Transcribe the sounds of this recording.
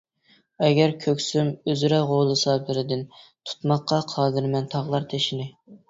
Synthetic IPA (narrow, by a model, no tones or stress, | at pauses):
ɛɡʲɛɾkʲʰøkʲsymøzɾɛʁolˠɨsɑblˠɨɾɪd̪ɪnt̪ʰu̥t̪mɑqːɑqʰɑːd̪ɨɾmɛnt̪ʰɑʁlˠɑɾt̪ʰeʃinɪ